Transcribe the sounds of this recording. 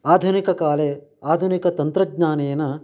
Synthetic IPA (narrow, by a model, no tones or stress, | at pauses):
aːd̪ʱunikɐkaːleaːd̪ʱunikɐt̪ɐnt̪ɾɐd͡ʒɲaːnejɐnɐ